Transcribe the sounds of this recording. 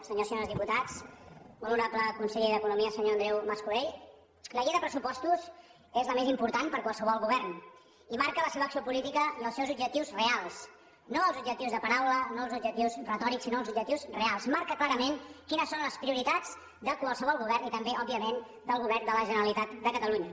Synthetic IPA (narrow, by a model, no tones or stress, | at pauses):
səɲosɲoɾəzðiput̪at͡suluɾapləkunsəʎeðəkunumiəsəɲoənd̪ɾɛwməskuɾeʎ | ləɣeðəpɾəsupɔst̪uz | ezləmezimpuɾt̪anpəɾkwalˠsəβ̞ɔlˠɣuβɛrn | imaɾkələseβəksiopulit̪ikənəlˠsɛwzub̚d͡ʒək̚t̪iwzrealˠs | noəlˠzubʒək̚t̪iwzðəpəɾawlənoəlˠzubd͡ʒəkt̪iwzrət̪ɔɾiksinoəlˠzubʒək̚t̪iwzrealˠsmaɾkəklaɾəmenkinəsːonləspɾiuɾit̪ad͡z | d̪əkwəlˠsəβɔlˠɣuβɛrnit̪əmbeɔb̚iəmen | d̪əlˠɣuβɛrnd̪ələʒənəɾəlit̪at̪d̪əkət̪əluɲə